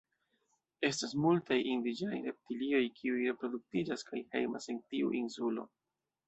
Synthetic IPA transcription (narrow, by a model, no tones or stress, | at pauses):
e̞stasmultajʔindid͡ʒenajɾe̞p̚tilio̞jkʰiujɾe̞pɾo̞duk̚tid͡ʒaskʰajhe̞̰jma̰se̞ntiṵʔinsulo̞̰